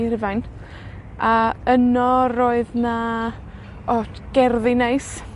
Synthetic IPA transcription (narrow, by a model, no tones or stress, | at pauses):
rɪvajn | aənɔroːɨðna | ɔtɡ̥ɛrðɪnejs